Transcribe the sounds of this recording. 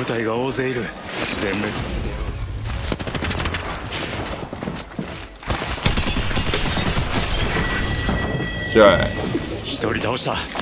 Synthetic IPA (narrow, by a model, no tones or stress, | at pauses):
ɯ̟t̪aiɡao̞ːzeiɾɯ̟d͡zẽ̞mːe̞t͡sɨid̪e | ɕa | çi̥t̪o̞ɾʲit̪ao̞ɕi̥t̪a